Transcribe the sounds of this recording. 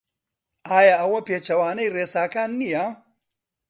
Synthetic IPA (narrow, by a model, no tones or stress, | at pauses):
ʔaːjaːʔɐwɐpeːt͡ʃɐwaːnɐjreːsaːkaːnːijɐ